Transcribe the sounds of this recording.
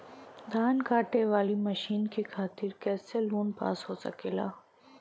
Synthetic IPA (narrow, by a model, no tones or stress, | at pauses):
d̪ʱaːnkaːʈeʋaːlimɐʃiːnkexʰaːt̪ɪɾkɛːseloːnpa̰ːsɦoːsɐ̰keːla̰ː